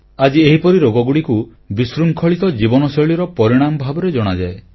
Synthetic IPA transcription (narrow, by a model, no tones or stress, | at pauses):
ad͡ʒieɦipɔɾiɾoɡɔɡuɽiku | bisɾuŋkʰɔɭit̪ɔd͡ʒibɔnɔsɔɭiɾɔpɔɾiɽ̃amɔbʱabɔɾed͡ʒɔɽ̃ad͡ʒae